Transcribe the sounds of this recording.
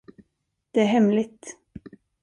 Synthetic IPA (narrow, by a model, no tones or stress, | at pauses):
d̪̥ɛæɾɦɛmlɪt̪